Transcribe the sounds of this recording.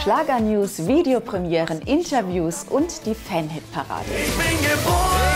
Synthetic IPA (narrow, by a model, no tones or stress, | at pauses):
ʃlaːɡɐnjuːsviːdeopʁ̥ɛmjɛːʁənʔɪntʰɐvjuːsʔʊntd̥iːfɛnɦɪtpʰaʁa̰ːdə̰çb̥ɪnɡəboə